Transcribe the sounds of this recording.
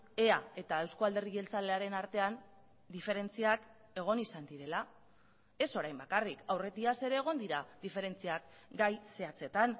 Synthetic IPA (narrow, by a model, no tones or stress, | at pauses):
e̞ae̞t̪ae̞wskoald̪e̞riɣe̞lt͡saleaɾe̞naɾt̪e̞an | d̪ife̞ɾe̞nt͡siak | e̞ɣ̞o̞nisand̪iɾe̞la | e̞so̞ɾajmbakarikawre̞t̪iase̞ɾe̞ːɣ̞o̞nd̪iɾaðife̞ɾe̞nt͡siakɡajse̞at͡se̞t̪an